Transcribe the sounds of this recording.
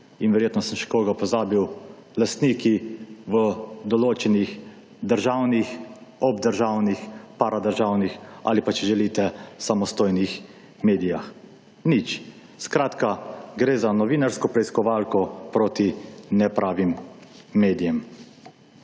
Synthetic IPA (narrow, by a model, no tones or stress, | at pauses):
inʋɛɾjeːt̪nɔsəmʃɛ̥koːɡapɔzaːbiw | last̪niːkiʋəd̪ɔloːt͡ʃɛnix | d̪əɾʒaːwnixɔbd̪əɾʒaːwnixpaɾad̪əɾʒaːwnixa̰lipat͡ʃɛʒɛliːt̪ɛsamɔst̪oːjnix | meːd̪ijax | nit͡ʃ | skɾaːt̪kaɡɾeːzanɔʋiːnaɾskɔpɾɛiskɔʋaːlkɔpɾoːt̪inɛpɾaːʋimː | eːd̪ijɛm